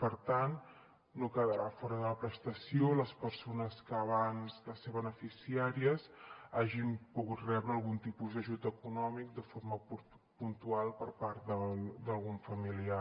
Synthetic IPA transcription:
pəɾt̪anː | okəðəɾafɔɾəðələpɾəst̪əsioləspəɾsonəskəːβanzðəseβənəfisiaɾiəzaʒimpuɣut̪rɛβɾəːlˠɣunt̪ipuzd̪əʒut̪əkunɔmik̚d̪əfoɾməpu | punt̪ualˠpəɾpaɾt̪d̪əd̪əlˠɣuɱfəmilia

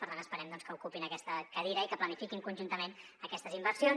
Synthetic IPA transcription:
pəɾt̪anəspəɾɛmd̪ɔnskəukupinəkɛst̪əkəðiɾəikəplənifikiŋkunʲʒunt̪əmenəkɛst̪əzimbəɾsjon

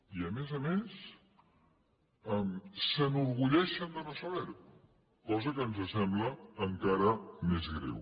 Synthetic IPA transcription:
iəmezəmes | əmsənuɾɣuʎɛʃənd̪ənəsəβɛɾt | kɔzəkənzəsɛmbləːŋkaɾəmezɣɾɛ̰w

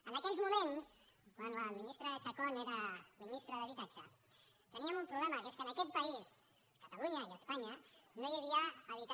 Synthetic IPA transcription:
ənakelzmumẽnskwanlaminist̪ɾaðet͡ʃakoneɾaminist̪ɾaðəβ̞it̪at͡ʃa̰ | t̪əniamumpɾuβlemakeskənaket̪̚pais | kat̪aluɲaiəspaɲanojeβ̞iaːβ̞it̪a

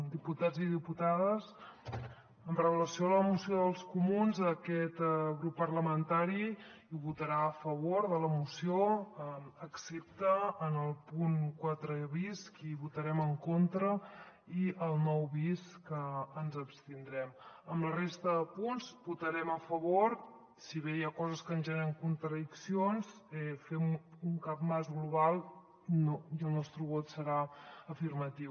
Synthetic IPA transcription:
d̪iput̪aziðiput̪aðəs | əmrəβələsioləmusioðəlˠskumunzəkɛt̪ɣɾupːərləmənt̪aɾiː | βut̪əɾaəfəβoɾðələmusio | əksep̚t̪əːnəlˠpuŋkwat̪ɾəβiskiβut̪əɾɛməŋkont̪ɾə | iʔəlˠnɔwβiskəːnzəpst̪ind̪ɾɛməmlərest̪əðəpunzbut̪əɾɛməfəβoɾ | siβejakɔzəskənʒəəɾəŋkunt̪ɾəðiksionsɛfɛmuŋkap̚mazɣluβ̞alˠ | nojəlˠnɔst̪ɾuβot̪səɾaəfirmət̪iw

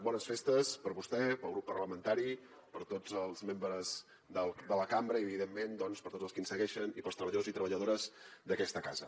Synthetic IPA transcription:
bɔnəsfest̪əspəɾβust̪ɛpəlˠɣɾupːərləmənt̪aɾi | pəɾt̪od͡zəlˠzmembɾəz | ðəlˠd̪ələkambɾəiəβiðemːend̪ɔnspəɾt̪od͡zəlˠskinsəɣɛʃənipəlˠst̪ɾəβəʎəðozit̪ɾəβəʎəðoɾəzd̪əkɛst̪əkazə

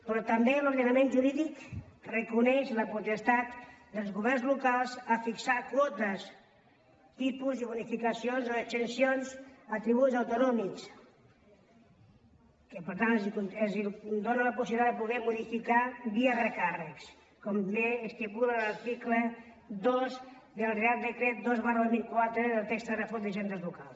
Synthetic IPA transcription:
pɾɔt̪əmbeloɾðənəmenʒuɾiðikrəkunɛʃləput̪əst̪at̪d̪əlˠzɣuβɛrnzlukalˠzəfiksakwɔt̪əs | t̪ipuzðəβunifikəsionzoət̪ənsionzət̪ɾiβ̞uzawt̪unɔmiks | kəpəɾt̪anzkunezid̪onələpusiβilit̪adðəpuðɛmuðifikaβiəβɾəkarəks | kɔmleːst̪ipulənlɐɾt̪iklə | d̪ozd̪əlˠreald̪əkɾɛt̪̚d̪ozβaɾləmilkwat̪ɾəðəlˠt̪ɛkst̪ərəfod̪əʒɛnd̪əzlukalˠs

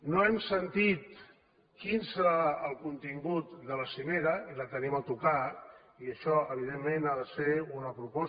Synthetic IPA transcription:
noɛmsənt̪it̪ | kinsəɾaəlˠkunt̪iŋɡut̪̚d̪ələsimeɾəilət̪ənimət̪uka | iəʃɔəβ̞iðemːenaðəseunəpɾupɔ

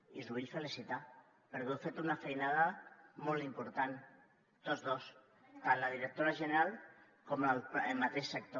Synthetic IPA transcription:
izuβiʎfəlisit̪a | pəɾkewfet̪unafejnaðəmolˠt̪impuɾt̪an | t̪ozðos | t̪anləðiɾək̚t̪oɾaʒəneɾalˠ | komləmːat̪eʃsək̚t̪o

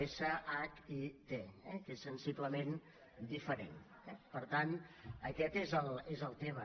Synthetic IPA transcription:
esəʔakit̪eɛkesənsipləmen | d̪ifəɾen | ɛpəɾt̪anəkɛt̪ezəlˠezəlˠt̪emə

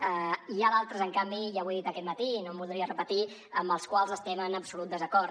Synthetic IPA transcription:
əiaðalˠt̪ɾəzəŋkambijaβwðit̪əkɛt̪mət̪inombulˠd̪ɾiərəpət̪i | əmbəlˠskwalˠzəst̪ɛmənəbsulut̪̚d̪əzəkɔɾt̪

